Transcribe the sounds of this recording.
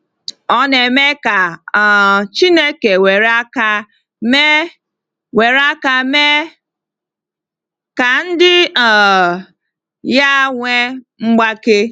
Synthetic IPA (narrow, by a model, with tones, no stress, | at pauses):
ɔ˦ne˨me˦ka˨ | t͡ʃi˦ne˦ke˨we˨ɾa˦ka˦ | me˦ | we˨ɾa˦ka˨me˦ | ka˨n̩˦dɪ˦˨ | ja˦ŋʷe˦ | ŋ͡m̩˦ɡ͡ba˦ke˦